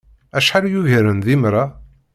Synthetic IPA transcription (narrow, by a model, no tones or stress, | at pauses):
æʃħaljuʝəɾənðimɾˤa